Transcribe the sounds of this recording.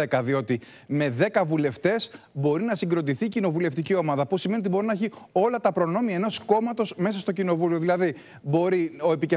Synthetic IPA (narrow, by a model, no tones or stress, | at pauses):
ekɐðio̞t̪i | me̞ðe̞kɐvule̞ft̪e̞sbo̞ɾinɐsiɡɾo̞d̪iθiːcino̞vule̞ft̪icio̞mɐðɐpusime̞nit̪ibo̞ɾinɐeçio̞lɐt̪ɐpɾo̞no̞miɐeno̞sko̞mɐt̪o̞sme̞sɐst̪o̞cino̞vulio̞ðilɐði | bo̞ɾio̞e̞pice